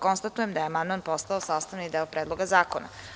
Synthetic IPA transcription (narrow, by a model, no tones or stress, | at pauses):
konst̪at̪ujemd̪ajeamand̪manpo̞st̪aosaːst̪aʋnid̪eopɾeːd̪lˠo̞ɡazaːkona̰